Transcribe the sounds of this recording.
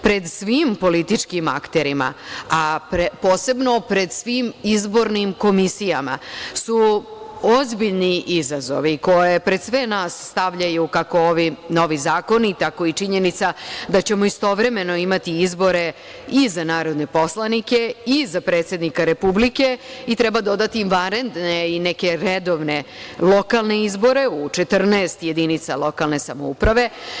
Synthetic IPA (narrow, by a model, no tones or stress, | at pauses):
pɾe̞d̪sʋiːmpo̞lit̪it͡ʃkima̰kt̪e̞ɾima̰apɾpo̞ːse̞bno̞pɾe̞d̪sʋiːmizbo̞ɾnimko̞misijama̰su | o̞zbiʎniʔizazo̞̰ʋiko̞je̞pɾe̞d̪sʋe̞naːsːt̪aʋʎajukako̞oʋino̞ʋizaːko̞nit̪ako̞it͡ʃiɲe̞nit̪sad̪at͡ɕe̞moist̪o̞ʋɾe̞me̞no̞imat̪iizbo̞ɾe̞ | izanaːɾo̞d̪ne̞po̞slˠanike̞izapɾet̪se̞d̪nikaɾe̞publike̞it̪ɾɛbad̪o̞d̪at̪imʋaɾend̪neineke̞ɾed̪o̞ʋne̞lo̞kalˠne̞izbo̞ɾe̞ut͡ʂet̪r̩naest̪je̞d̪init̪salo̞kalˠne̞sa̰moupɾaʋe̞